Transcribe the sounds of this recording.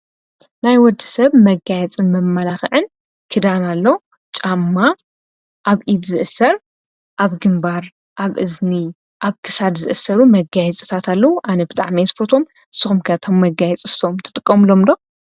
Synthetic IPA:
najwɔd̪ːɨ̥sɐβmɐɡajɛt͡sʼɨnmɐmːɐlaxɨʕɨn | kʰɨd̪analːɐ | t͡ʃʼamːa | ʔaβʔid̪zɨʔɨsɐɾ | ʔaβɡɨmbaɾ | ʔaβʔɨzni | ʔaβkʰɨ̥sad̪zɨ̰ʔɨsɐɾumɐɡajɛt͡sʼɨ̥t̪ʰat̪ʰalːɐwuʔanɐbɨt̪ʼa̰ʕmijzfo̞t̪ʰo̞m | ɨsːɨxumkʰɐt̪ʰo̞mːɐɡajɛt͡sʼɨsomt̪ʰɨ̥t̪ʼɨkʼːɐmɨlo̞md̪o̞

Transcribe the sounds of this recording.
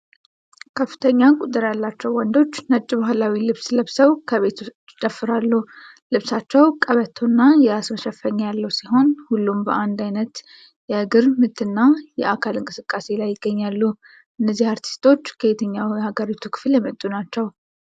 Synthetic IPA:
kʰəfːɨ̥t̪ʰəɲːakʼut̪ʼːɨɾjalːat͡ʃːɛwwːɔnd̪o̞t͡ʃːnət͡ʃʼːibahlawilɨβsləβsəwkʰəβe̞t̪ʰut͡ʃːd̪əfːɨɾalːu | lɨβsat͡ʃːɛwkʼəβət̪ʰonːajɛasməʃɛfːəɲːajalːəwsiɦo̞nhulːumbəʔand̪ajnət̪ | jɛʔɨɡɨɾmɨt̪ʰːɨnːajɛʔakʰalɨŋkʼɨsɨkʼːase̞lajːɪɡːəɲːalːu | ʔɨnːəzːihaɾt̪ʰi̥st̪ʰo̞t͡ʃːkʰəet̪ʰəɲːawjɛhaɡəɾit̪ʰukʰɨ̥fljɛmət̪ʼːunat͡ʃːɛw

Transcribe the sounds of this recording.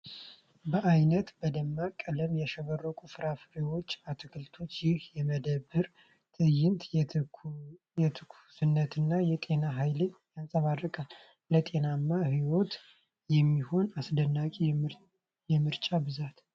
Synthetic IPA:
bəʔajnət̪bəd̪əmːakʼələmjɛʃɛβərːəkʼufɨɾafɾewo̞t͡ʃːat̪ʰɨkʰɨlt̪ʰo̞t͡ʃːjɪhjɛməd̪əbːɨɾ | t̪ʰɨjɪnt̪ | jɛt̪ʰɨkʰu̥sɨnːət̪ʰɨnːajɛt̪ʼe̞naɦajlɨɲjansʼəβarːəkʼal | lət̪ʼe̞namːahiwo̞t̪ | jɛmːiho̞nasd̪ənːakʼi | jɛmɨɾt͡ʃʼabɨzat̪

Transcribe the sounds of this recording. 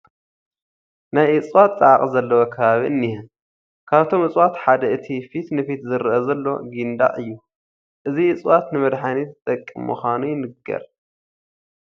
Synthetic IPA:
najʔɨt͡sʼwat̪t͡sʼaʕaχʼzɐlːɐwokʰɐβaβiʔɨnːihɛ | kʰaβt̪ʰo̞mɨt͡sʼwat̪ħad̪ɐʔɨt̪ʰifit̪nɨfit̪zɨɾɨʔɐzɐlːo̞̰ɡind̪a̰ʔɨjːu | ʔɨziɨt͡sʼwat̪nɨmɐd̪ħanit̪t̪ʼɐkʼːḭmːɨxʷanujɪnɨɡɐ̰ɾ

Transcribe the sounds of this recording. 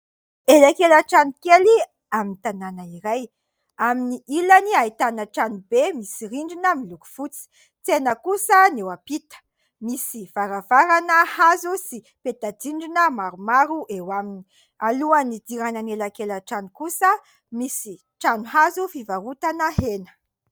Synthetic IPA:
elakelaʈ͡ʂanukeli | aminit̪ananəiɾaj | aminiʔilaniait̪anəʈ͡ʂanubemisiɾiɳɖ͡ʐinəmiluku̥fut͡si̥ | t͡senəkusənewapit̪ə̥ | misiv̥aɾavaɾanəhazusi | pet̪ad̪iɳɖ͡ʐinəmaɾumaɾuʔewamini | aluanid̪iɾanənelakelaʈ͡ʂanukusə | misi | ʈ͡ʂanuhazufivaɾut̪anəhenə̥

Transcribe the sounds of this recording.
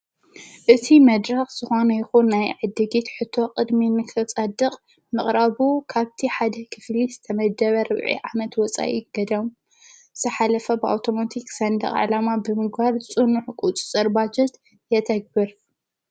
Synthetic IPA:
ʔɨt̪ʰimɐd̪ɾɐxz̥ɨxo̞nɐjɪxunːajʕɨd̪ːɨɡet̪ħɨt̪ʰːo̞qʼɨd̪minɨkʰɨt͡sʼɐd̪ɨqʼ | mɨχʼɾaβukʰaβt̪ʰiħad̪ɐkʰɨflizɨt̪ʰɐmɐd̪ɐβɐɾɨβʕḭʕamɐt̪wɔt͡sʼa̰ʔiɡ̥ɐd̪ɐm | zɨ̥t̪ʰɐħalɐfɐbɨa̰wt̪ʰomot̪ʰiksɐnd̪ɐ̰χʼʕɨ̰lamabɨmɨɡbaɾt͡sʼɨnuħkʼut͡sʼɨt͡sʼɐɾbad͡ʒɛt̪ | jɛt̪ʰɐɡ̚bɨɾ

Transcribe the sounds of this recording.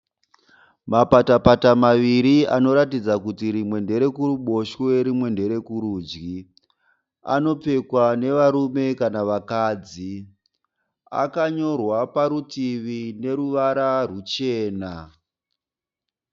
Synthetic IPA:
mapatapatamaʋiɾia̰no̞ɾatid͡zakutiɾimwe̞nde̞ɾe̞kuruɓo̞ʃweɾimwe̞nde̞ɾe̞kuɾuːd͡ʒɡi | a̰no̞p͡fe̞kwane̞ʋaɾume̞kanaʋakaːd͡zi | a̰kaɲo̞rwapaɾutiʋine̞ɾuʋaɾarut͡ʃeːna

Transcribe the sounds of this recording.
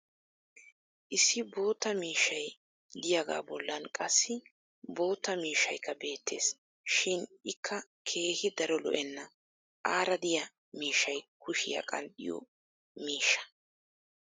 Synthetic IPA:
ʔɪsːɪbo̞ːt̪ːɐmiːʃːɐj | d̪ɪjɐɡa̰ːbɔlːɐnkʼɐsːɪ | bo̞ːt̪ːɐmiːʃːɐjkːɐbe̞ːt̪ʰːe̞̰ːs | ʃɪnɪkʰːɐ | kʰe̞ːhɪd̪ɐɾɔlɔ̰ʔɛnːɐ | ʔaːɾɐd̪ɪjɐ | miːʃːɐjkʊʃɪ̰jɐ̰kʼɐ̰nɗɪ̰jɔ̰ | miːʃːɐ̥

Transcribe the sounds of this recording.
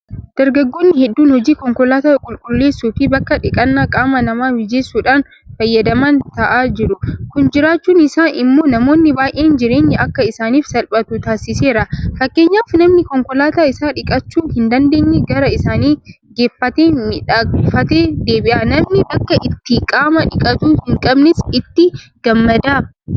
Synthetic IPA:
d̪̥ɐɾɡɐɡːoːnːɪhɛd̪ːuːnhɔd͡ʒiːkɔŋkɔlaːt̪aːkʼʊlkʼʊlːe̞ːsːuːfɪbɐkːɐᶑɪkʼɐnːaːkʼaːmɐnɐmaːwɪd͡ʒeːsːuːᶑaːn | fɐjːɐd̪ɐmɐnt̪ɐʔaːd͡ʒɪɾʊkʊnd͡ʒɪɾaːt͡ʃːuːnɪsaːnʔɪmːo̞ːnɐmo̞ːnːɪbaːjʔeːnd͡ʒɪɾe̞ːɲːɛʔɐkːɐɪsaːniːfsɐlpʼɐt̪ʊt̪aːsːɪse̞ːɾɐfɐkːeːɲːaːfnɐmnɪkɔŋkɔlaːt̪aːɪsaːᶑɪkʼɐt͡ʃːuːhɪnd̪ɐnd̪e̞ːɲːɛɡɐɾɐɪsaːniː | ɡeːfːɐt̪eːmɪᶑaːɡɪfɐt̪eːd̪eːbɪʔaːnɐmnɪbɐkːɐʔɪt̪ːɪkʼaːmɐᶑɪkʼɐt̪uːhɪŋkʼɐbnɪsɪt̪ːɪɡ̥ɐmːɐd̪aː

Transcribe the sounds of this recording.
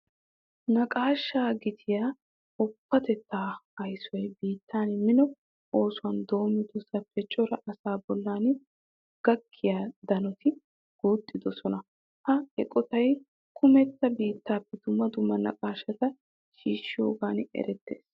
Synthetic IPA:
nɐkʼaːʃːaːɡɪt̪ʰɪjaː | ʊpːɐt̪ɛt̪ːaːɐjsjbiːt̪ʰːaːnmɪnɔ | ʔoːsʊwɐnd̪o̞ːmɪd̪ɔsɐfɛt͡ʃʼːɔɾɐʔɐsaːbɔlːaːn | ɡ̥ɐkʰːɪjaːd̪ɐnɔt̪ʰɪ | ɡ̥uːt̪ʼːɪd̪ɔsɔnɐ | hɐɛkʼɔt̪ɐj | kʰʊmɛt̪ːɐbiːt̪ːaːpːɛd̪ʊmːɐd̪ʊmːɐnɐ̰kʼaːʃːɐt̪ɐ | ʃiːʃɪjo̰ːɡaːnɛ̰ɾɛt̪ːe̞̰ːs

